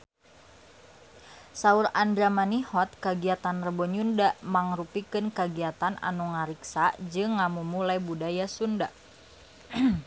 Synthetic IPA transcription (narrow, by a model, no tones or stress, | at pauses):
sauɾandɾamanihɔt̪̚kaɡiat̪anrəbɔɲundaʔmaŋrupikɨnkaɡiat̪anʔa̰nuŋaɾiksad͡ʒɨŋːamumulajbudajasunda